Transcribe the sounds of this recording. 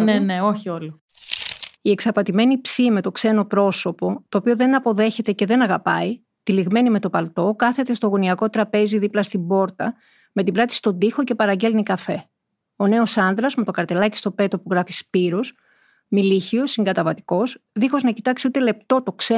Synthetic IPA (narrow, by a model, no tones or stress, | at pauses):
neneo̞çiolo | ie̞ksɐpɐt̪ime̞nipsime̞t̪o̞kse̞no̞pɾo̞so̞po̞t̪o̞ːpio̞ðe̞nɐpo̞ðe̞çe̞t̪e̞ce̞ðe̞nɐɣɐpɐi | t̪iliɣme̞nime̞t̪o̞pɐlt̪o̞kɐθe̞t̪e̞st̪oɣoniɐko̞t̪ɾɐpe̞ziðiplɐst̪ibo̞ɾt̪ɐ | me̞t̪ibɾɐt̪i̥st̪o̞nd̪ixo̞ce̞pɐɾɐɲɟe̞lnikɐfe̞ | o̞ne̞o̞sɐnðɾɐzme̞t̪o̞kɐɾt̪e̞lɐci̥st̪o̞pe̞t̪o̞puɣɾɐfispiɾos | miliçio̞siŋɡɐt̪ɐvɐt̪i̥ko̞sðixo̞znɐcit̪ɐksiut̪e̞le̞p̚t̪o̞t̪o̞kse